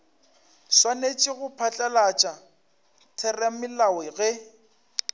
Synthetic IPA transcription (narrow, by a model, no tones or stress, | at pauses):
swanet͡ʃʼɪɣʊpʰat͡ɬʼalat͡ʃʼa | tʰɛrɛmɪlawɛɣɛ